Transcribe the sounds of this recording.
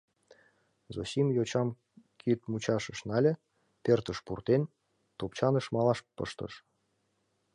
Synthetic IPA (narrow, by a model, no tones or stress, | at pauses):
zosʲimjot͡ɕɑm | kʰit̪̚mut͡ɕɑʃə̆ʃnɑlʲĕ | pert̪əʃpurt̪en | t̪opt͡ɕɑnəʃmɑlˠɑʃpɤ̰ʃt̪ə̰ʃ